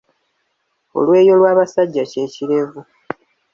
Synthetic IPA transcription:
o̞̰lwe̞ːjo̞lwaːβasaɟːace̞ːciɾe̞vu

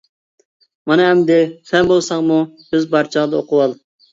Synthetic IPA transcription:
mɑnɨɦɛmd̪ɪsɛnbolˠsɑŋmu | øzbɑɾt͡ʃʰəʁd̪ɑoqʰʊwɑlˠ

